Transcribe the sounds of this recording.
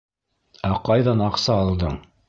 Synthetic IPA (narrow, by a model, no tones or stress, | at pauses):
æqɑjðɑnɑqsɑːlˠd̪ɤɴ